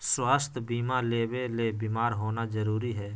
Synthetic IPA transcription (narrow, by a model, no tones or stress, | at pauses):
swaːst̪ʰbiːmaleːʋeleːbiːmaːɾɦoːnazəɾuːɾiɦɛː